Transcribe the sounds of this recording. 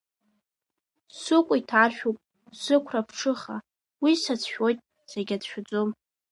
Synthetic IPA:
sɨkʷʼʊitʰaʃᶣupʼ | sɨkʷʰrapʰʂɨχa | wisat͡sʰʃᶣo̞jtʼ | seɡʲadʃᶣʊd͡zʼom

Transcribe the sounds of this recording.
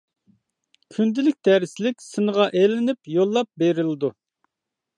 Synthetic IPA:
kʲʰynd̪ɪlɪk̚ʲd̪æɾɪslɪkʲsɨnəʁɑʔelɪnɪpjolˠːɑp̚beɾɪlɪd̪u

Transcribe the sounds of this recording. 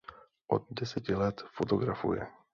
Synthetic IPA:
ʔo̞̰d̪̚dɛsɛcɪlɛt̪fot̪oɡɾafṵjɛ̰

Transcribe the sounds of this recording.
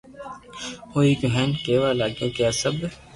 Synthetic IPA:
oːiːɡʊɦɛːnkeːʋaːlaːɡjõːkjaːsəb

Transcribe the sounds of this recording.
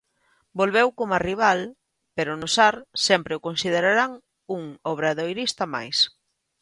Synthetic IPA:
bolβewkomariβ̞al | peɾʊnʊsaɾsɛmpɾɪʊkonsið̞eɾaɾaŋ | uŋoβ̞ɾaðojɾist̪ɐma̰js

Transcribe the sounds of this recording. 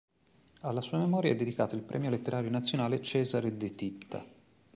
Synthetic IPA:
alːasuːamemɔːɾjaɛd̪ːed̪ikaːt̪oilpɾʔɛ̰mjolet̪ːeɾaːɾjonat̪sːjonaːlet͡ʃɛːzaɾed̪et̪it̪ːa̰

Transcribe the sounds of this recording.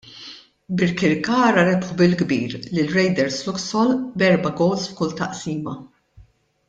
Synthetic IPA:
bɪɾkɪɾkɐːɾɐɾɛpħubɪlɡbḭːɾlɪlɾɛjd̪ɛɾslʊksɔlbɛɾbɐɡɔːsfkʊlt̪ɐʔsiːmɐ

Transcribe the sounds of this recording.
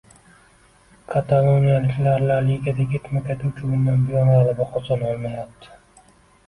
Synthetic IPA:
kʰat̪ʰalˠonijalɪkʲlaɾlaɾjeɡʲad̪aɡʲɪt̪makʲʰat̪ʰuwt͡ʃʰɪʊnd̪anbʊjɒnʁalɪbɪqʰɒsɒnɒlˠmajap̚t̪ʰɪ̥

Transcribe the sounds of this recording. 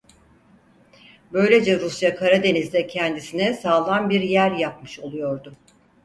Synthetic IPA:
bø̞jlʲe̞d͡ʒɛɾusjakʰaɾad̪e̞nizd̪ɛcʰɛnd̪isinɛsaːlˠanbiɾjæɾjap̚mɯ̥ʃo̞lˠujo̞ɾd̪ʊ

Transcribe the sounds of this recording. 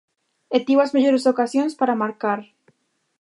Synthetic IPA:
et̪iwazmeʎoɾesokasjonspaɾamaɾkaɾ

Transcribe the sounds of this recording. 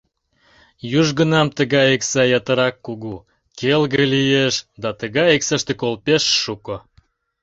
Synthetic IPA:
juʒɣənɑmt̪əɣɑjeksɑjɑt̪ə̆ɾɑkːuɣu | kelɣəlijeʃd̪ɑt̪əɣɑjeksəʃt̪ekolpeʃːuko

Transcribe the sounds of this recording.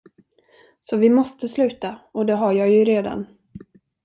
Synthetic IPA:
sɔvɪmɔst̪əslʉ̟ːt̪aɔd̪ɛɦajɑːjɵɾeːd̪a̰n

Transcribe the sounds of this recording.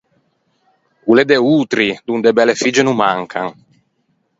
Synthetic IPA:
kuled̪eut̪ɾid̪und̪ebɛlefid͡ʒenumːaŋkʰa̰ŋ

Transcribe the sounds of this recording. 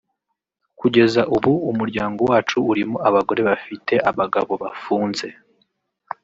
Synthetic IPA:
kuɟe̞zaʔuβuumuɾɟaːŋɡo̞waːt͡ʃuːɾimoaβaɡo̞ɾe̞βafite̞ʔaβaɡaβo̞βafuːnze̞

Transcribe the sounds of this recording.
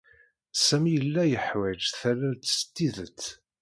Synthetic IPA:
sæmijəlːæjəħwæd͡ʒθæɾæt̪ːst̪ːiðət͡sː

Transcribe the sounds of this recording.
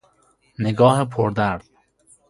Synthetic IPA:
neɡɒːhepʰoɾd̪æɾd̪̥̚

